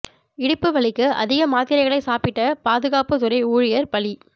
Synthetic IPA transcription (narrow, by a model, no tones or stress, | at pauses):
ɪɽɯpːɯʋɐɭɪkːɯʔɐ̰ðɪɣɐmaːt̪ɪɾɐɪɣɐɭɐɪsaːpɪʈːɐpaːðɯɣaːpɯt̪ʊɾɐɪuːɻɪjɐɾpɐɭi